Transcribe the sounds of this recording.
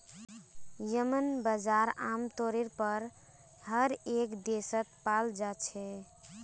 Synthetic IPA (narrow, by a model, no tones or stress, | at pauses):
jəmənbəd͡ʒaɾamt̪oɾeɾpəɾ | həɾekd̪esət̪̚pald͡ʒat͡ʃʰɛ